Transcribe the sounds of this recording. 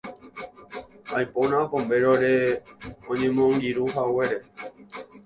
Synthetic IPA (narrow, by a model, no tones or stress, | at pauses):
ajpõnãpõmbe̞ɾoɾe | õɲẽmõŋɡiɾuɦawe̞ɾe